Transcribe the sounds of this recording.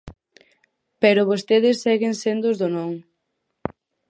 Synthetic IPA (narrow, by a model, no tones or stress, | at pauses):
pɛɾʊβost̪eðɪsːɛɣeŋsend̪ʊzðʊnõŋ